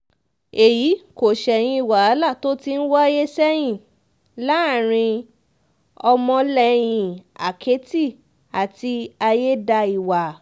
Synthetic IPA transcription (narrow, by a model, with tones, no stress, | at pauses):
e˨ji˨˦ko˨ʃɛ˨j̃ĩ˧i˨wa˨a˨˦la˦˨to˦ti˦n̩˦wɔ˦je˦sɛ˦j̃ĩ˦˨ | la˨˦˨ɾ̃ĩ˧ | ɔ˧mɔ̃˧lɛ˨j̃ĩ˨a̰˨kʰe˨˦ti˦˨ | a˨ti˧a˧je˦da˧i˨wa˨